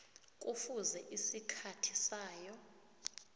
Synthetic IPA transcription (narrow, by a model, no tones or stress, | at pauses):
k̬ʼufuzɛʔisikʰatʰisaːjɔ